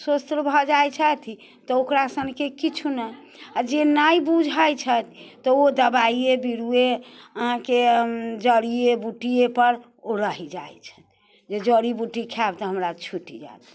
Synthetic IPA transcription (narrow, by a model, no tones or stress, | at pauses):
swost̪ɾəbʱɔd͡ʒajt͡ʃʰət̪ʰ | t̪ɔokɾasəŋkekit͡ʃʰunɛ | ad͡ʒenaibud͡ʒʱajt͡ʃʰət̪t̪ɔod̪əbaiebiɽueəɦãked͡ʒəɽiebuʈiepəɾ | oɾəɦid͡ʒajt͡ʃʰə̥t̪̚ʰ | d͡ʒed͡ʒəɽibuʈikʰabt̪ɔɦəmɾat͡ʃʰuʈḭd͡ʒa̰t̪